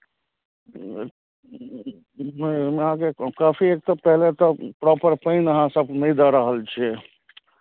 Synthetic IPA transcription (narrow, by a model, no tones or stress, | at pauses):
memɦãkekaːpʰiek̚t̪ɔpɛɦlet̪ɔpɾɔpəɾpəɪnəɦãsəb̚nəid̪aɾəɦəlt͡ʃʰe